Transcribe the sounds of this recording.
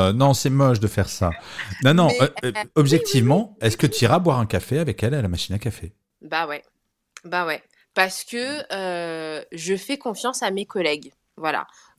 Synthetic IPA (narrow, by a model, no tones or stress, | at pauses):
ønɔ̃sɛmɔʃd̪əfɛʁsa̰nɔ̃nɔ̃øɔbʒɛk̚t̪ʰivmɑ̃ɛskət̪yiʁabwaʁɛ̃kafeavɛkɛlalamaʃinakafe | bawɛ | bawɛ | paʁsə̥kəø | ʒəfɛkɔ̃fjɑ̃samekɔlɛɡ | vwala̰